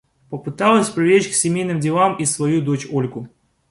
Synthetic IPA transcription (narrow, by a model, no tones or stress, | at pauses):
pəpɨt̪alˠəsʲpɾʲɪvʲet͡ɕksʲɪmʲejnɨmdʲɪlˠamisvɐjud̪ot͡ɕolʲkʊ